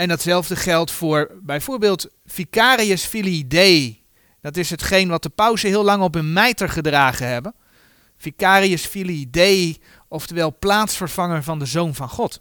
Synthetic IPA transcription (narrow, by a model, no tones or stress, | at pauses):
ɛndɑtsɛlˠvdəχɛlˠtfʊːɹbɛjvʊːɹbɪːlˠt | fikaːɾiəsfilidej | d̥ɑtɪsɦətχejnʋɑt̚dəpœwzəɦɪːlˠlɑŋɔp̬ənmɛjtəɹχədraːχənɦɛbən | fikaːriəsfilidej | ɔftəʋɛlˠplaːtsfəɹv̥ɑŋəɹvɑndəzownvɑnχɔt